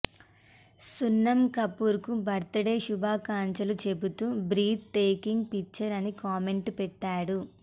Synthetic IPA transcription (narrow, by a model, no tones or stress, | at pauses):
sunːɐmkɐpːuɾkubʱɐɾt̪ɐɽeːʃubʱaːkaːɲt͡ʃɐlut͡ʃe̞but̪uːbɾiːt̪̚ʈeːkiŋɡ̚pit͡ʃːɐɾɐnikaːme̞ɳʈpɛʈːaːɽu